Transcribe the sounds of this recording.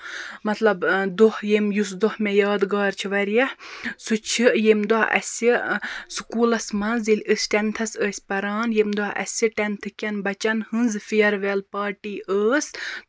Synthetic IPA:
mɐt̪ʰlɐbd̪ohjemjusd̪ohmejaːd̪ɡaːɾt͡ʃʰiʋɐɾjɐhsut͡ʃʰijemd̪aɐ̰sʲisukuːlɐsmɐnzilʲəsʲʈʲɛnt̪ʰɐsəːsʲpɐɾaːnjemd̪ɔʔɐ̰sʲɨʈʲɐnt̪ʰɨkʲɐnbɐt͡ʃɐnhɨnzfijɐɾʋelpaːʈiːʔəːs

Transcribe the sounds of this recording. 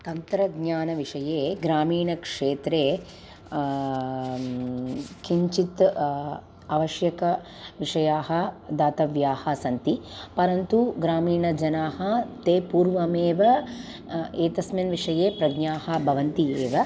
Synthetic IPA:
t̪ɐnt̪ɾɐɡɲaːnɐʋiʂɐjeːɡɾaːmiːɳɐkʂeːt̪ɾeː | kiɲt͡ʃit̪ | ɐʋɐʃjɐkɐ | ʋiʂɐjaːɦɐd̪aːt̪ɐʋjaːhɐsɐnt̪ipɐɾɐnt̪uɡɾaːmiːɳɐd͡ʒɐnaːɦɐt̪eːpuːɾʋɐmeːʋɐ | eːt̪ɐsmjɐnʋiʂɐjeːpɾɐɡɲaːɦɐbʱɐʋɐnt̪ieːʋɐ

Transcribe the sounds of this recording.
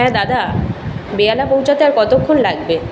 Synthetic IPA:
ɛ̃d̪ad̪a | bealapowt͡ɕʰat̪eaɾkɔt̪okʰːonlaɡbe

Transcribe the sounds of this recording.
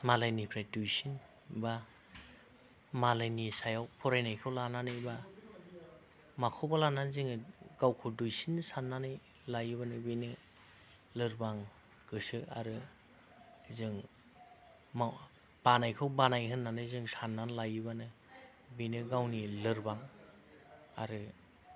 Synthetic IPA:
malajnipʰɾajdujsin | ba | malajnisajawpʰɔɾajnajkʰawlananɯjba | makʰɔwbalananzɯŋɯɡawkʰowdujsinsanːanɯj | lajɯβanɯbinɯ | lɯɾbaŋ | ɡ̥ɯsɯaɾɯ | zɯŋ | ma | b̥anajkʰɯwbanajɦɯnːanɯzɯŋsanːanlajɯbanɯ | binɯɡawnilɯɾbaŋ | a̰ɾɯ

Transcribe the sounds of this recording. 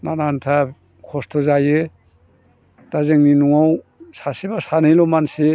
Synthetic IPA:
nanantʰa | kʰɔstʰɔzajɯ | d̥azeŋninuŋaw | sasibasanɯjlɔmansi

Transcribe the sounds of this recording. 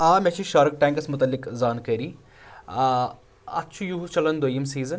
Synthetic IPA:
aːmʲɛt͡ʃʰiʃaːɾɐk̚ʈaːŋkɐsmʊt̪ɐlːikzaːnkəɾi | ɐ̰t̪ːt͡ʃʰujuɦut͡ʃɐlɐnd̪ojːɐmsiːzɐn

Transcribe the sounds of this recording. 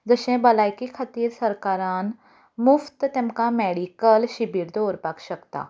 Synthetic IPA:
d͡zəʃẽbɐlaːjkikʰɐt̪iːɾsɐɾkaːɾaːn | mʊft̪t̪ɛmkamɛːɽiːkəlʃibiːɾd̪oːɾpakʃəkt̪a̰ː

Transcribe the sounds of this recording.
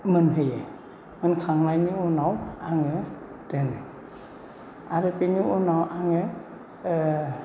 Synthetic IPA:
mɯnɦɯje | mɯnkʰaŋlajniunawaŋɯ | denɯ | aɾɯpiniʔunawʔaŋɯ

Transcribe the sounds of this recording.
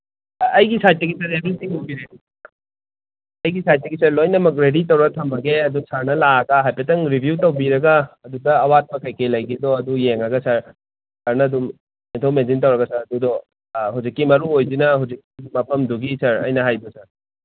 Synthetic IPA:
ɐjɡisajt̚ːɐɡisɐɾebɾitʰiŋɦobiɾe | ɐjɡisajt̚ːɐɡisɐɾlojnɐmɐk̬̚ɾeditɐwɾɐtʰɐmɐɡeɐdusɐɾnɐlaɐɡɐɦajpɐtɐŋɾibʱjutɐwbiɾɐɡɐːdudɐːwat̚pɐkɐjkejlɐjɡidɔɐdujeŋɐɡɐsɐɾ | sɐɾnɐːdum | intʰowmenzint̬ɐwɾɐɡɐsɐɾɐdudɔ | huwzikːimɐɾuojzinɐhuwzikːidumːɐpʰɐmduɡisɐɾɐ̰jnɐɦajbɐsɐɾ

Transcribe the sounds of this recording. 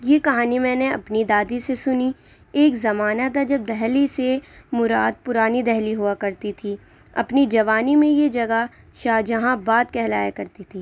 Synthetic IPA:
jekɐɦaːnimɛ̃ːneɐ̰pnid̪aːd̪isesʊni | eːkzɐmaːnad̪ad͡ʒɐb̚d̪ɛɦlisemʊɾa̰ːd̪̚pʊɾaːnid̪ɛɦliɦuakɐɾt̪it̪ʰi | ɐ̰pnid͡ʒɐʋaːnimẽjed͡ʒɐɡa | ʃaːd͡ʒɐɦãbaːt̪kɛɦlaːjakɐɾt̪it̪ʰiː

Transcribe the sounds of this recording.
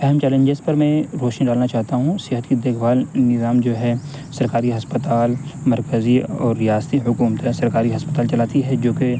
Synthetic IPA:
ɛɦɛmt͡ʃɛːlẽɲd͡ʒezpɐɾmɛ̃ɾoːʃnɖaːlnat͡ʃaːɦt̪aɦũsɪɦət̪id̪eːkʰbaːlnɪzaːmd͡ʒoːɦɛ | sɐɾkaːɾiɦɐspət̪aːlmɐɾkəziɔːɾːijaːst̪iɦʊkuːmət̪esɐɾkaːɾiɦɐspət̪aːlt͡ʃɐlaːt̪iɦɛd͡ʒoːke

